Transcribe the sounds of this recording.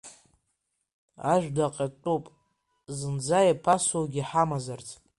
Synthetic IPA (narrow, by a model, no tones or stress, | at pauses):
aʒᶣʷdaqʼatʼupʼ | zɨnd͡zajapʰasowɡʲiħamazart͡sʼ